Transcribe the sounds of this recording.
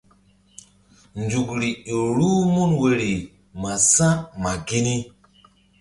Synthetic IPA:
nd͡ʒu˨kɾi˨i˨ɾu˦mu˦nwe˨ɾi˨ | ma˨sã˦ma˨ɡi˦ni˦

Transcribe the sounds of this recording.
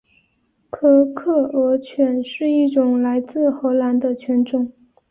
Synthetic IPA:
kʰɤ˥kʰɤ˥˩ɤ˧˥t͡ɕʰɥɛ˧˥nʂɻ̩˥˧i˥˩ʈ͡ʂʊ˨˩ŋla˧˥ɪt͡sɹ̩˥˩xɤ˧˥la˧˥nd̪ə˧t͡ɕʰɥɛ˧˥nʈ͡ʂʊ˨˩˦ŋ

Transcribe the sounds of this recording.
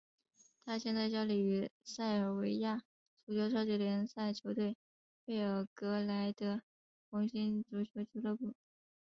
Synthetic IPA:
t̪ʰa˥ɕjɛ˥˧nt͡sa˥˧ɪt͡ɕjɑ˥li˨˩y˧˥sa˥˩ɪə˞˨˩we˧˥ɪja˥˩ | ʈ͡ʂu˨˩t͡ɕjo˧˥ʊʂɑ˥ʊt͡ɕy˥˩ljɛ˧˥nsa˥˩ɪt͡ɕʰjo˧˥ʊt̪we˥˩ɪ | pe˥˩ɪə˞˨˩kɤ˧˥la˧˥ɪd̪ə˧ | xʊ˧˥ŋɕi˥nʈ͡ʂu˧˩t͡ɕʰjo˧˥ʊt͡ɕʰjo˧˥ʊlɤ˥˩pu˨˩

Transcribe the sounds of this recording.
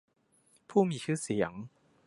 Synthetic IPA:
pʰuː˥˩miː˧t͡ɕʰɯː˥˩si˩˦ə˦ŋ

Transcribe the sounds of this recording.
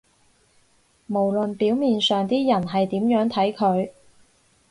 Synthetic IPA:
mo˨˩wlɵ˨npiː˨˥wmiː˨nsœː˨ŋt̪iː˥jɐ˨˩nɦɐ˨jt̪iː˨˥mjœː˨˥ŋt̪ʰɐ˨˥jkʰɵ˨˧ɥ

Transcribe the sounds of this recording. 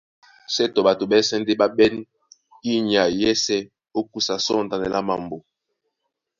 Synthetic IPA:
sɛ˦tɔ˨ɓa˨to˨ɓɛ˦sɛ˦n˦de˦ɓa˦ɓɛ˦n | i˦ɲ˨a˨jɛ˦sɛ˦ | o˦ku˦sa˨sɔ˦˨n˨da˨nɛ˨lʔa˦ma˨mbo˨

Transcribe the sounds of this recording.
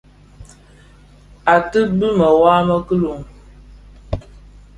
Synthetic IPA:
a˨tɨ˦bɨ˦mə˨waː˦mə˦kə˦lo˨ŋ

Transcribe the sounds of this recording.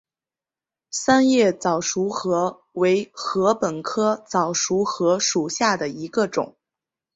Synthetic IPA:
sa˥njɛ˥˩t͡sɑ˨˩ʊʂu˧˥xɤ˧˥ | we˧˥ɪxɤ˧˥pə˨˩nkʰɤ˥t͡sɑ˨˩ʊʂu˧˥xɤ˧˥ʂu˨˩ɕja˥˩d̪ə˩i˧˥ɡə˧ʈ͡ʂʊ̰˨˩˦ŋ

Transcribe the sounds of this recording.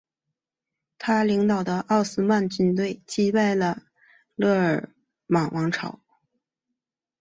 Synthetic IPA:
t̪ʰa˥li˧˥ŋt̪ɑ˨˩ʊd̪ə˦ʔɑ˥˩ʊsɹ̩˥ma˥˩nt͡ɕy˥˧nt̪we˥˩ɪt͡ɕi˥˩pe˥˩ɪlə˩ | lɤ˥˩ə˞˨˩ | mɑ˨˩ŋwʔɑ˧˥ŋʈ͡ʂʰɑ˨˥˦ʊ

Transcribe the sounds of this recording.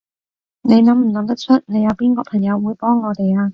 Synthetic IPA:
ne˨˧jnɐ˨˧mm̩˨˩lɐ˨˥ŋt̪ɐ˥k̚t͡ʃʰɵ˥t̚ne˨˧jɐ˨˧wpiː˥nkɔː˧kpʰɐ˨˩ŋjɐ˨˧wːuː˨˧jpɔː˥ŋːɔː˨˧t̪e˨jaː˧

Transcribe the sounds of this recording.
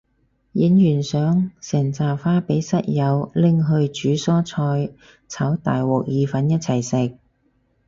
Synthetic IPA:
ji˨˥njyː˨˩nsœː˨˥ŋsɛː˨˩ŋt͡saː˨faː˥pe˨˥jsɐ˥t̚jɐ˨˧wlɪ˨ŋɦɵ˧ɥt͡ʃyː˨˥sɔː˥t͡sʰɔː˧j | t͡sʰɐ˨˥wt̪a̰ː˨jwɔː˨˩k̚jiː˨˧fɐ˨˥njɐ˥t̚t͡sʰɐ˨˩jsɪ˨k̚

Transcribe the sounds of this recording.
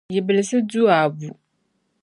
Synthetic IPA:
ji˨bɨ˨lɨ˨sɨ˦du˦a˨bu˨

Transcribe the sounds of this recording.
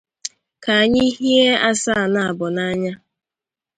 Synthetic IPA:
ka˨a˨ɲɪ˦ɦi˦e˦a˦sa˦a˨na˨a˨bʊ˨na˦ɲa˦

